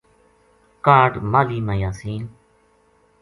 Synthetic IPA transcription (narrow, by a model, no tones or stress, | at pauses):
kaːɖmaːliːmaːjaːsiːn